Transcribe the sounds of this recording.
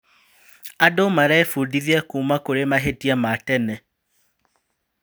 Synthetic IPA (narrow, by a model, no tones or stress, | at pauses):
adomaɾaɛfudiðiɛkuːmakoɾemaɦetiamatɛnɛ